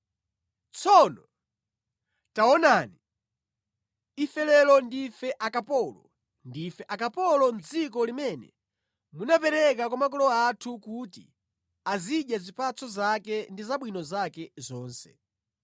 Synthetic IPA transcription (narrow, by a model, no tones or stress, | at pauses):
t͡sʰɔnɔ | taɔnani | ifɛlɛlɔndifɛʔakapɔlɔ | ndifɛʔakapɔlɔnd͡zik̬ɔlimɛnɛ̰ | munapɛɾɛkakwamakɔlɔatʰukutḭ | aziɗjazipat͡sʰɔzakɛndizaɓwinɔzakɛzɔːnsɛ̰